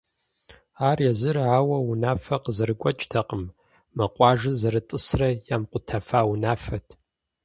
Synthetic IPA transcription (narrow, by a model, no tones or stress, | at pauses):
aːrjɛzɨraːwɐwunaːfɐqəzɐɾɨɡʷʼɔt͡ʃʼtʰɐqʼəm | mɐqʷʼɑːʒɨzɐɾɨtʼɨsrɐjaːmqʷʊtʰɐfaːwunaːfɐtʰ